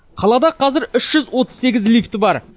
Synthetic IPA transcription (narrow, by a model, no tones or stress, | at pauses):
qʰɑlˠɑd̪ɑqʰɑzɪɾʏʃʒ̥ʏzwo̞t̪əzse̞ɡʲɪzlʲijft̪əbɑɾ